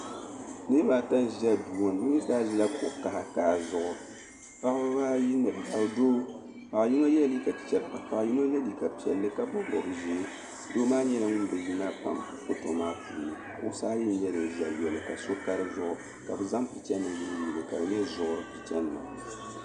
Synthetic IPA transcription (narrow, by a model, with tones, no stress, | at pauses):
nɨ˦ba˨ta˦ʒa˦du˨o˦n̩˨˦nɨ˦ta˦ʒa˦kʊ˨ʔka˨ha˦kaː˨zʊ˦ʔʊ˨ | ka˦ʔbbaː˦ji˦nɨ˨bɨ˨ha˨ɾdoː˦ | pa˨ʔji˦ŋo˦jɛ˦li˦ka˨pi̥˨t͡ʃɛ˦ba˨ka˨ʔji˦no˦jɛ˦li˦ka˨pi˨ɛ̰˨lːɨ˦ka˦bɨ˦bɔ˨bɨ˨ʒi˨˦ | do˦maː˦ɲɛ˦na˦ŋʊ˦n˦bɨ˨ji˦na˦pa̰˨m | kʊ˦to˨maː˦pu˨ni˨ | kʊ̰˦ʔsaː˦ji˦n˦ɲɛ˦dɨ˨ʒɛ˨jɛ˨lɨ˨ka˨so˦ka˦ɾɨ˦zʊ˦ʔʊ˦ | ka˨bɨ˨za˦mpi˨t͡ʃɛ˦nɨ˨m˨jɨ˨ɨ˦˨ji˨lɨ˨ka˨dɨ˨ɲɛ˦zʊ˨ʔʊ˨ɾɨ˨pi˨t͡ʃɛ˦nɨ˨ma̰˨